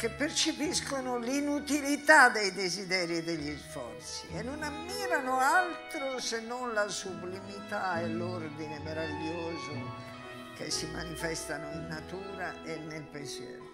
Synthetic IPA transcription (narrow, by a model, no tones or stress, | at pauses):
kepːeɾt͡ʃepiskonʊlinut̪ilit̪ad̪ɛjd̪ezid̪ɛːɾid̪eʎːisfɔ̰ɾt̪siɛnːonamːiːɾanʊalt̪ɾosenːɔnlasublimit̪aɛloɾd̪inemeɾaviʎːoːzʊ | kḛsːimanifɛst̪anʊinːat̪uːɾaenːelpesɛ̰ːɾ